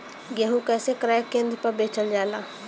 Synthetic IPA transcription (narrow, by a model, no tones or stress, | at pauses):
ɡɛɦũkɛːsekɾaːjəkːẽːnd̪pəɾbeːt͡ʃəld͡ʒaːlaː